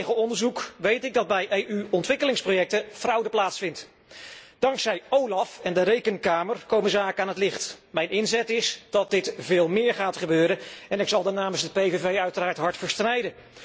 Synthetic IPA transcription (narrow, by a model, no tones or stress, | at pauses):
χəɔndəɹzukʋejtɪɡ̚dɑd̚bɛjʔejʔyɔntʋɪkəlɪŋsprojɛk̚təfrʌwdəplaːtsfɪnt | d̥ɑŋksɛjowlɑfɛndəɾejkənkaːmərkowmənzaːkəaːnɦətlɪχtmɛjnɪnzɛtɪsd̥ɑt̚dɪtvɪːlˠmɪːɹχaːtχəbøːɾənɛnɪksɑlˠdənaːməsdəpejvevejœɥtəraːɹtɦɑɹtfəɹstrɛjdə